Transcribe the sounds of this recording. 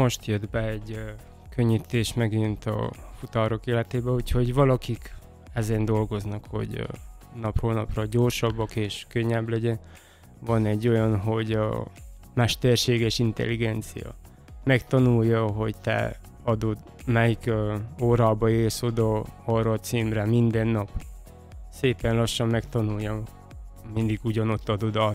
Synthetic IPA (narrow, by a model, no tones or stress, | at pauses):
mo̞ʃt̪jød̪bɛɛɟ | køɲːit̪eːʃmɛɡint̪ɒ̰fut̪ɒɾo̞keːlɛt̪eːbɛucho̞ɟvɒlɒkik | ɛzɛnd̪o̞lɡo̞znɒkho̞̰ɟ | nɒproːlnɒprɒɟo̞rʃɒbːɒkeːʃkøɲːɛblɛɟɛn | vɒnɛɟːo̞jɒnɦo̞ɟɒ̰ | mɛʃt̪ɛrʃeːɡɛʃint̪ɛ̰lːiɡɛnt̪sḭjɒ̰ | mɛkt̪ɒnulːɒɦo̞ɟt̪ɛ̰ | ɒd̪o̞d̪ | mɛjikøoːɾaːbɒeːrso̞d̪ɒhɒrɒt̪siːmrɛmind̪ɛnːɒp | seːpɛnlɒʃːɒmːɛkt̪ɒnuljːɒ | mind̪iɡuɟɒno̞t̪ːɒd̪o̞d̪ɒ